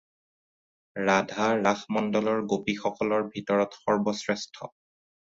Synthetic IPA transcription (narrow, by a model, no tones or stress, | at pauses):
ɹadʱaɹaxmɔndɔlɔɹɡopixɔkɔlɔɹbʱitɔɹɔtxɔɹbɔsɹɛstʰɔ̰